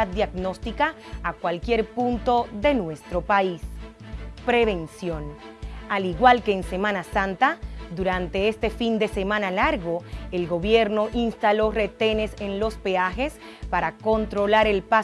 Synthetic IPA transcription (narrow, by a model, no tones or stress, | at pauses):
at̪̚d̪jaɡno̞st̪ikaːkwalkje̞ɾpunt̪o̞ðe̞nwe̞st̪ɾo̞pais | pɾeβe̞nsjo̞n | aliɣwalke̞ːnse̞mãnasãnt̪ad̪uɾant̪e̞est̪e̞find̪e̞se̞mãnalaɾɣo̞elɡo̞βje̞ɾno̞ʔinst̪alo̞re̞t̪e̞ne̞se̞nlo̞spe̞axe̞s | paɾako̞nt̪ɾo̞laɾe̞lpa